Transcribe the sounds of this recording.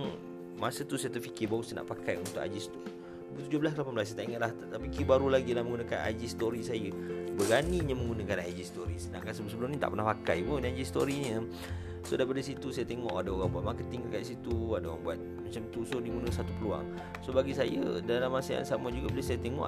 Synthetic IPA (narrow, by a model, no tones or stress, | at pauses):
masət̪usajat̪əfikɪbaɣusəna̰ʔpakajunt̪ʊka̰d͡ʒist̪u | bət̪ud͡ʒobəlas̬kəlapanmblas̬at̪aʔiŋat̪̚laht̪apikibaɾulaɡilaməŋɡunakana̰d͡ʒist̪oɾisajəbəɡaniɲəmə̃ŋɡunəkanad͡ʒist̪oɾisənã̰ŋkansəbsəbəlʊmnit̪a̰ʔpərnahpaka̰jbonĩad͡ʒist̪oɾiɲə | sodajpadəs̬it̪usajət̪eŋɔʔadaoɾaŋbuaʔ̪̚maŋkət̪iŋakaʔdisit̪uadaoɣa̰ŋbuat̪̚mat͡ʃamt̪usodiɡunəsat̪upəlua̰ŋ | sobaɡisajə̰dalamːasəja̰nsamad͡ʒuɡabəlasajət̪eŋɔ̰ʔ